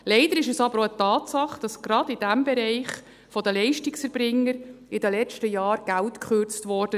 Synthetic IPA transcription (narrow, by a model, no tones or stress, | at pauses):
lɛɪdəɾɪʃɛsɑbəɾoətɑːtsɑχd̥ɑsɡ̥ɾɑdɪd̥æmbɛɾɛɪχ | fɔdəlɛɪʃtɪksfəɾbɾɪŋːəɾɪdəlɛt͡ʃtəjɑːɾɡ̥æltkχøɾt͡stvɔɾd̥ə